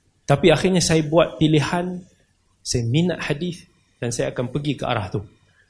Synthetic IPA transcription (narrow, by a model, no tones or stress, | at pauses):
t̪apiaxirɲãsajabuat̪̚pilihan | sajamina̰ʔhadiθ | d̥ansajaːkanpəɡikəʔa̰ɾaht̪u